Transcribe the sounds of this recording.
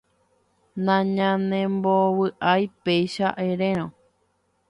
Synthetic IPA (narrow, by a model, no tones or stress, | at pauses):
nãɲãnẽmbowɨʔajpejʃaʔeɾẽɾ̃õ